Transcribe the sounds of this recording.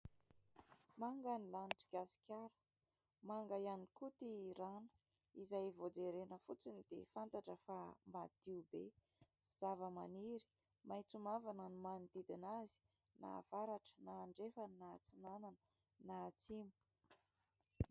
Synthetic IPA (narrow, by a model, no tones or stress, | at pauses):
maŋɡanilaniʈ͡ʂiɡasi̥kʲaɾə̥ | maŋɡajanikut̪iɾanu̥ | izajvod͡zeɾenəfut͡sinid̪̥ḛfant̪aʈ͡ʂəfamad̪̥iube | z̥avəmaniɾi̥ | majt͡sumavanənimanid̪id̪inazi̥ | na̰v̥aɾaʈ͡ʂə̥naːɳɖ͡ʐefaninat͡sinananə | naːt͡simu̥